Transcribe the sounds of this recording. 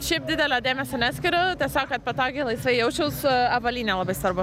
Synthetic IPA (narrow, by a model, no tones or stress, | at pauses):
ʃʲɛɪp̚d̪ʲɪd̪ʲɛlʲoːd̪ʲeːmʲɛsɐnʲæːt̪sʲkʲɪɾʲot̪ɐɪsɑːkkɐt̪̚pɐt̪ɑːɡʲeɪlˠɐɪsʋɐɪjɛʊt͡ʃʲɛʊsɐbɐlʲiːnʲɛlˠɐbɐɪsʋɐɾbʊ